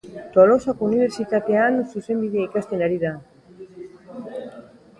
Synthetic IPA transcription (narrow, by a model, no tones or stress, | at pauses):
t̪olosakuniβeɾsit̪at̪eanosusemd̪iðajkast̪enaɾiða